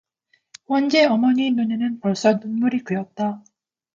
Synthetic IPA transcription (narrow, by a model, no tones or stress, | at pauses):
ɸʌnd͡ʑe̞ʌmʌɲinunenɯnpʌɭs͈ʌnunmuɾikɯjʌt̚t͈a